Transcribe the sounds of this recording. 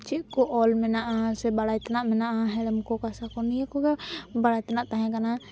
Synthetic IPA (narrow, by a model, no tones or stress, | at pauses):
t͡ʃiʔkɔʔɔlmɛnaʔasɛbaɽajt̪anaʔmɛnaʔaɦɛlɛmkɔkasakɔnijakɔɡabaɽajt̪anaʔt̪aɦɛ̃kana